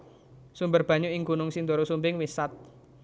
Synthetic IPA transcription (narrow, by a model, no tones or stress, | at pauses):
sumbərb̥ä̤ɲuɪŋɡunʊŋsind̪oɾosumbɪŋwisat̪̚